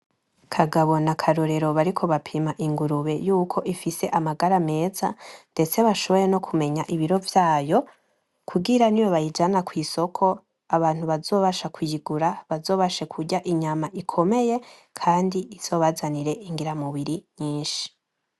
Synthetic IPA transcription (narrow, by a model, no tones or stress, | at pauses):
kʰaɡaβo̞nakʰaɾuɾe̞ɾo̞βaɾikʰo̞βapʰimaʔiŋɡuɾuβe̞juːkʰo̞ʔifise̞ʔamaɡaɾame̞ːzande̞t͡se̞βaʃo̞βo̞jeno̞kʰume̞ɲaʔiβiɾo̞vjaːjo̞ | kʰuɡiɾanijo̞βajid͡ʒanakwiːso̞kʰo̞ | aβaːn̥huβazo̞ːβaʃakʰujiɡuɾaβazo̞ːβaʃe̞kʰuɟaʔiɲamaʔikʰo̞me̞je̞ | kʰaːndiiz̥o̞ːβazaniɾe̞ʔiŋɡiɾamuβiɾiɲiːnʃi̥